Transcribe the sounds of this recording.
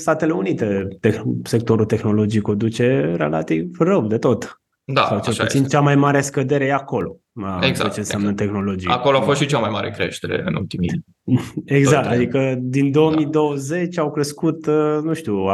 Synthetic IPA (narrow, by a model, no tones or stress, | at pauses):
st̪at̪e̞le̞unit̪e̞t̪exse̞k̚t̪o̞ɾult̪e̞xno̞lo̞d͡ʒijkod̪ut͡ʃe̞ɾe̞̰la̰t̪ivrəwd̪e̞t̪o̞t̪ | d̪a̰sawt͡ʃelut̪sint͡ʃamajmaɾe̞skəd̪e̞ɾe̞jeako̞lo̞ | t͡ʃenseamnət̪e̞xno̞lo̞d͡ʒijakoloafost̪ʃit͡ʃamajma̰ɾḛkɾḛʃt̪eɾḛɨ̰nṵlt̪imi | eɡzak̚t̪ad̪ikəd̪ind̪o̞omid̪o̞wəze̞t͡ʃʲawkɾe̞skut̪nuʃt̪u